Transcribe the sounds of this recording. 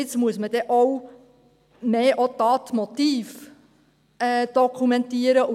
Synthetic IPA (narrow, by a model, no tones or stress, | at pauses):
ɪt͡smuəsməd̥̪ɛʔɔw | meːʔot̪ɑːt̪mɔt̪iːf | ɛːd̪̥ɔkʰumɛnt̪iːəɾə